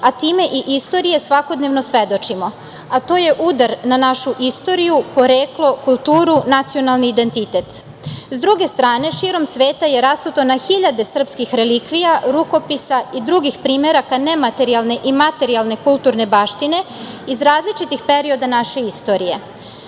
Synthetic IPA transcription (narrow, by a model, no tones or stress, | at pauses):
at̪iːme̞ʔiʔist̪o̞ɾije̞sʋako̞d̪neʋno̞sʋe̞d̪o̞t͡ʃimo̞ | at̪o̞ːje̞ʔud̪aɾnanaʃuʔist̪o̞ɾijupo̞ɾeːklˠo̞kulˠt̪uːɾunat̪sio̞nalˠniːd̪e̞nt̪it̪e̞t̪ | zd̪ɾuɡe̞st̪ɾaːne̞ʃiɾo̞msʋe̞ːt̪aje̞ɾasut̪o̞naxiʎad̪e̞sr̩pskixɾe̞likʋijaɾuko̞pisaid̪ɾuɡixpɾiːme̞ɾakane̞mat̪e̞ɾialˠne̞ʔimat̪e̞ɾialne̞kulˠt̪uɾne̞baːʃt̪ine̞ | izɾaːzlit͡ʃit̪ixpe̞ɾio̞d̪anaʃe̞ist̪o̞ɾije̞